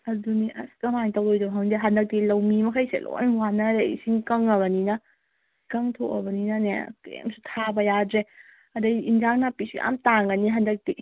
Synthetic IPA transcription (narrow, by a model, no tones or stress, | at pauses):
ɐduniʔɐ̰skɐmaŋtɐwojdɐbɦaŋdeɦɐndɐk̚tilɐwmimɐkʰajsḛlo̰jnwanɐɾeḭsiŋkɐŋɐβɐninɐ | kɐŋtʰokɐ̰bɐninɐnḛkḛmsutʰabɐjadɾe | ɐdɐjinzaŋnapisiʔa̰mtaŋɡɐniɦɐndɐk̚ti